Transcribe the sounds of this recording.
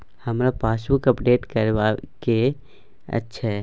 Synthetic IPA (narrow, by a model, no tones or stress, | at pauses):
hɐmɾapaːsʋukəpɖeːʈkəɾʋake | ə̰tːʃʰeɦɛ